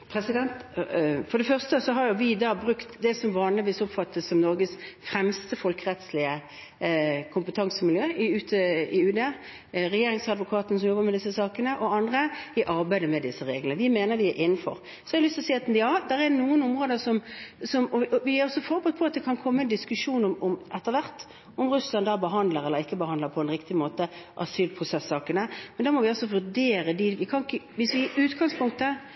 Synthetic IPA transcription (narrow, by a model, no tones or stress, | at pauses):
pʰɾɛsɪd̪ɛnt̪fɔɾd̪ɛfœʁst̪əsɔɦɑɾjʊʋɪd̪ɑːbʁʉkt̪d̪ɛsɔmʋɑːnlɪʋiːsɔpfɑt̪ʰːəsɔmnɔɾɡəsfɾɛmst̪əfɔlkəʁɛt̪slɪə | kʰʊmpət̪ʰɑŋsəmɪljøːɪʉːt̪ʰəɪʉːd̪e | ʁɛjeːɾɪŋsɑd̪ʋʊkʰɑːt̪əns̬ɔmjɔbːəmɛd̪ɪsːəsɑːkənəʔɔɑnd̪ʁəɪʔɑɾbæɪd̪əmɛd̪ɪsːəʁeːɡlənəʋɪmeːnəɾʋɪæʔɪnːn̩fɔ̰ɾ | sɔhɑd̪əlʏst̪lɔsiːɑt̪njɑːd̪ɛɾɛd̪ɛnuːənʊmʁoːd̪əsɔmsɔmɔɔʋɪæɾɔsːɔfɔʁbɛt̪pʰɔɑt̪̚d̪ɛkʰɑnkʰɔmːəɛnd̪ɪskʉʂuːnɔmɔmʔɛt̪ːəʋæʁt̪ | ɔmʁʉslɑnd̪æbəɦɑnd̪ləɾɛlːəɾɪkːəbəhɑnəpʰɔɛnʁɪkt̪ɪmoːt̪əʔɑ̰syːlpʰʁʊsɛsɑːkənəmɛnd̪ɛɾmɔʋɪɔsːɔʋʉɖeːɾəd̪ɪʋɪkʰɑnɪkːəʋɪsʋɪʔʉːt̪ɡɑŋspʰʊŋk̚t̪ə